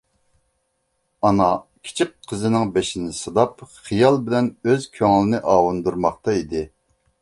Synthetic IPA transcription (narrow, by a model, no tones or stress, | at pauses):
ɑnɑkʲʰi̥t͡ʃʰikqʰːəzɨnɪŋbeʃinɪsɨd̪ɑpχijɑlˠbɪlɛnøzkʲʰøŋlɪnɪʔɑːwund̪uɾmɑχt̪ɑid̪ɪ